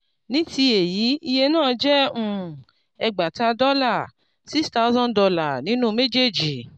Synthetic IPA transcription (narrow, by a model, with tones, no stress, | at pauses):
nĩ˨˦ti˧e˨ji˨˦i˧je˧nãː˦˨˧d͡ʒɛ˦ũ˦˨ | ɛ˧ɡ͡ba˨ta˧dɔ˦la˦˨ | si˦sta˦u˦zɔ̃˦n˨dɔ˧la˨nĩ˦nũ˦me˦d͡ʒe˦˨d͡ʒi˨